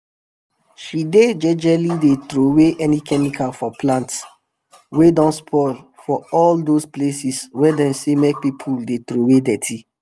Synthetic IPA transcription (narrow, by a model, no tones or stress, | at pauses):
ʃided͡ʒɛd͡ʒɛlidetɾoweʔɛnikɛmikʰalfɔplãnts | wedɔ̃nspʰɔl | fɔɔldosplesiswɛdɛ̃msemɛk̚pipʰuldetɾowedɛtʰi